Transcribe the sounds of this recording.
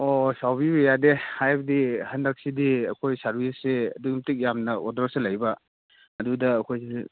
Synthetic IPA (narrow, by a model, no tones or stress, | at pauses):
osawbibejadehajbɐdihɐndak̚sidiɐkʰojsaɾbʱisːeɐ̰duɡimtik̚jamnɐɔ̰dɾɔselɐjbɐ | ɐdudɐːkʰojs